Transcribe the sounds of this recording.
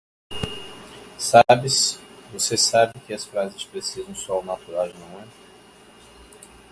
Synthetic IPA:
sabɪsvosesabɪkɪɐsfɾazɪspɾesizɐ̃w̃sɔwnat̪uɾaʒẽnɐ̃wɛ̃

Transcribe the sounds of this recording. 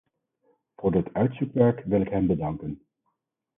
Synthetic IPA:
v̥ʊːɹdɪtœɥtsukʋɛɹkʋɪlɪkɦɛmbədɑŋkən

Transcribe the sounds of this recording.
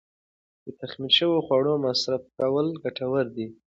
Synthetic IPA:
d̪̥ət̪axmilʃəwoxwɑɽomasɾafkawəlɡaʈawəɾd̪i

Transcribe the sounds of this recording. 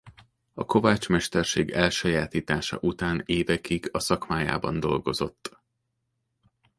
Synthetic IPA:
ɒko̞vaːt͡ʃmɛʃt̪ɛrʃeːɡɛlʃɒjaːt̪iːt̪aːʃɒ̰ʔut̪aːneːvɛkiɡɒsɒkmaːja̰ːbɒnd̪o̞lɡo̞zo̞̰t̪ː

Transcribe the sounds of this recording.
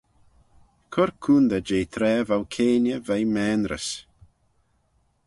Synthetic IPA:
kʰʊɾkʰuːnd̪əd͡ʒeːt̪ʰɾɛːvawkʰeːnəvajmɛːnɾə̰s

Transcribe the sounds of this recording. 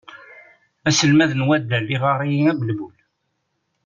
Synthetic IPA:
æsəlmæðənwæd̪ːælːiʁɑrˤijiæbəlbul

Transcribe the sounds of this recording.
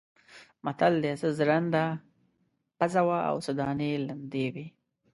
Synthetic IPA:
mat̪ald̪jesəzɾand̪a | pazawaa̰wsad̪ɑːneland̪ewe

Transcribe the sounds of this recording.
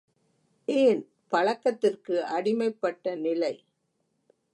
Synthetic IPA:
ʔeːn | pɐɻɐkːɐt̪ːɪrkɯʔɐɽɪmɐɪpːɐʈːɐnɪlɐɪ

